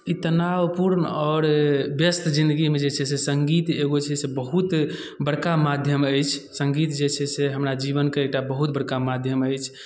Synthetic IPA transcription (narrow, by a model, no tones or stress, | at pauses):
it̪ənawpuɾnɔɾbjəst̪ʰd͡ʒĩnd̪əɡimed͡ʒet͡ʃʰɛsesəŋɡit̪eɡot͡ʃʰɛsebəɦut̪ | bəɽkamad̪ʱjəməjt͡ʃʰsə̃ŋɡit̪d͡ʒet͡ʃʰɛseɦəmɾad͡ʒiβənkeek̚ʈabəɦut̪̚bəɽkamad̪ʱjəməjt͡ʃʰ